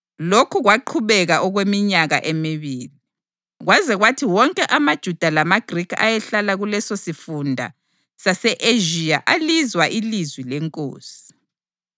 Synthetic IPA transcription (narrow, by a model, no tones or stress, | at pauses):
lokʰuɣwaǃʰuβɛɣaʔɔɣwemiɲaɣa̰ʔemiβiːli | ɣwazɛɣwatʰiwɔŋkʼɛʔamad̥ʒ̥ʱud̥ʱalamaɡ̥ʱrikʰa̰jɛɬalaɣulɛsosifundʱa̰ | sasɛʔeʒia̰ʔalizwaʔilizwilɛŋkʼo̰ːsi̥